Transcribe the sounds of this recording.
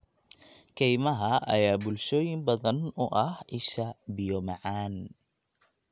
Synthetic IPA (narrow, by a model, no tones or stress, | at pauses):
kʰɛjmɐɦɐɐ̰jaːbʊlʃɔːjɪmbɐðɐnʊʔɐhɪʃɐbɪjɔmɑʕaːn